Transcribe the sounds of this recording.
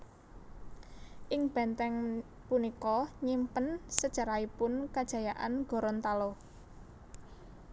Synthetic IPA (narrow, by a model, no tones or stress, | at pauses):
ʔɪŋb̥ɛnt̪ɛŋ | punikɔɲimpənsə̥t͡ʃaɾaipʊnkad̥ʒ̥ä̤jaʔanɡ̥ɔ̤ɾɔnt̪alɔ